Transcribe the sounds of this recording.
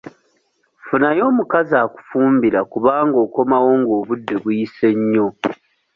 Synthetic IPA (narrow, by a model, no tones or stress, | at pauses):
funajo̞ːmukazaːku̥fuːmbiɾakuβaːŋɡo̞ːko̞mawo̞ːŋɡo̞ːβudːe̞βujise̞ɲːo̞